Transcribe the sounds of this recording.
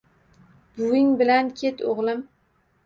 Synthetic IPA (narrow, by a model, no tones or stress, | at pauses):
b̥ʊɪŋbɪlankʲʰet̪ʰoʁlˠɪm